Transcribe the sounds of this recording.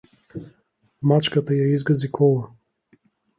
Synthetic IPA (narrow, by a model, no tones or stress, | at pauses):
mat͡ʃkət̪əjaizɡɐzikʰɔlˠə